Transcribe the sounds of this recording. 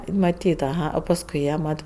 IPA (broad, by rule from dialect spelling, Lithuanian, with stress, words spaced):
mɐˈtʲiːt ɐˈɣɐ oː pɐsˈkʊɪ jiɛ ˈmɐt